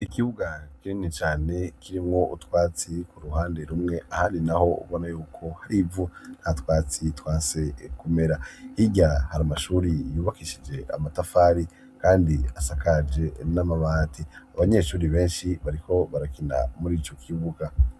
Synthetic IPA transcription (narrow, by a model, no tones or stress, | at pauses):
ikiβuɡakininit͡ʃaːne̞kʰiɾimŋo̞ʔutwaːt͡sikuɾuhaːnde̞ɾumŋe̞ʔahaːndinaho̞ṵβo̞najuːkʰo̞haɾiːvun̥hatwaːt͡sitwaːnse̞kume̞ɾahiɟahaɾamaʃuːɾijuːβakiʃid͡ʒe̞a̰matafaɾi | kaːndiasakad͡ʒe̞namaβaːtʰiaβaɲe̞ʃuːɾiβe̞ːnʃiβaɾiko̞βaɾakina̰muɾiːt͡ʃo̞kʰiβuɡa